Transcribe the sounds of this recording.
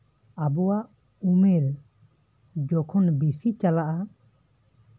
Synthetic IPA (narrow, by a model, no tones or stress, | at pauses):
abɔwaʔ | umeɾ | d͡ʒɔkʰɔnbisit͡ʃalaʔa